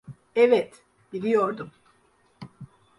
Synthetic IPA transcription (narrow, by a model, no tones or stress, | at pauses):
ɛvɛt̪ | b̥ilʲijo̞ɾd̪um